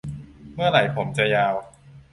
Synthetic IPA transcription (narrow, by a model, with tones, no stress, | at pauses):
mɯ˥˩ɐɾa˩˦jpʰo˩˦mt͡ɕa˨jaː˧w